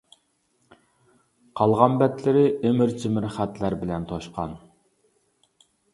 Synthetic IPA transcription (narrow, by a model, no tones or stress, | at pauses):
qʰɑlˠʁɑmbɛt̪lɪɾɪʔemɪɾt͡ʃʰɪmɪɾχæt̪læɾbɪlɛnt̪ʰoʃqʰɑn